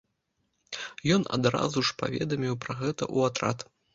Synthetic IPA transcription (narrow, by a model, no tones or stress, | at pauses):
jɔna̰d̪ɾa̰zuʂpa̰vʲɛ̰d̪ɐmʲiwpɾɐɣɛt̪ɐ̰ʔuat̪ɾa̰t̪